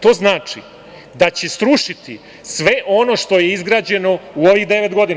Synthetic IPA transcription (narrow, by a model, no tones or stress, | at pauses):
t̪o̞ːznaːt͡ʂi | d̪at͡ɕe̞st̪ɾuʃit̪i | sʋe̞ʔo̞no̞ʃt̪o̞je̞izɡɾaːd͡ʑe̞no̞uo̞ʋiɣd̪e̞ʋet̪ɡo̞d̪ina